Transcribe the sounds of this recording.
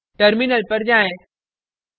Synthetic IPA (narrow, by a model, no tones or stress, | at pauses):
ʈəɾminəlpəɾd͡ʒaːẽ